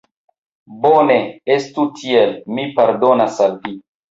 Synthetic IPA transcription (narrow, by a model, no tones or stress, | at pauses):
boneestutʰielmipaɾdonasalvi